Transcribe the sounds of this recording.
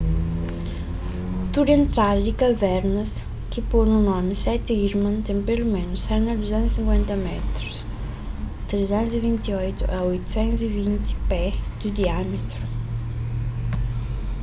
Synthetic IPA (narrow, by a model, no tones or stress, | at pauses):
t̪uɾent̪ɾald̪ɪkavɛɾnɐs | kɪponunɔmɪsɛt̪iɾmãnt̪ɛmpelumẽnʊsːɛnɐd̪uzɛ̃nsĩŋkwɛnt̪ɐmɛt̪ɾus | t̪ɾezɛnzivint̪iɔjt̪uʔɐojt̪u̥sɛnzivint̪ɪ̥pɛd̪̥ud̪iamɪt̪ɾu